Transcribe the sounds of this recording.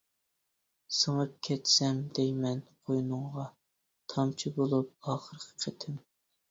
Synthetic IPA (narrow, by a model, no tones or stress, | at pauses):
səŋəp̚kʲʰɛt̪sɛmd̪̥ɛjmɛnqʰojnɨŋʁɑ | t̪ʰɑmt͡ʃʰibolˠup̚ɑːχəɾəqʰə̥qʰət̪ʰɪm